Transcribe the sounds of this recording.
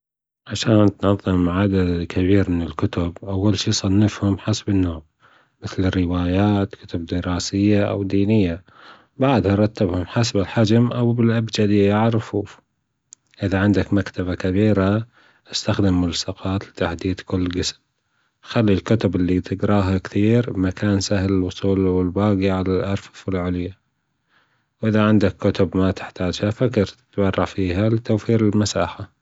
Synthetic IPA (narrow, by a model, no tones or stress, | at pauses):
ʕaʃaːnt̪nɑðˤːɨmʕad̪ad̪kʰabiːɾmɪnɪlkʊt̪ʊbʔawːalʃiːsˤɑnːɪfhʊmħasbɪnːoːm | mɪθlɪrːɪwaːjaːt̪kʊ̥t̪ʊb̚d̪əɾɑːsɪjːaʔa̰wd̪iːnɪjːa | baʕd̪hɑɾˤɑt̪ːabhʊmħasbɪlħad͡ʒmʔawbɪlʔabd͡ʒad̪iaʕɾˤfuːf | ʔɪðaʕɪnd̪akmakt̪abakabiːɾa | ʔast̪axd̪ɪmːʊlsɑqɑːt̪lɪt̪aħd̪iːd̪kʊlːɡɪsm | xalːilkʊt̪ʊbɪlːit̪ɪɡɾˤɑːɦakθiːɾmakʰaːnsahlɪlwʊsˤuːlwɪlbaːɡiʕalalʔɑɾˤffɪlʕʊlja | wʔɪðaʕɪnd̪akːʊt̪ʊbmat̪ɪ̥ħt̪aːd͡ʒhafakɾt̪bɑrˤːɑfiːɦalɪt̪awfiːɾɪlmasaːħa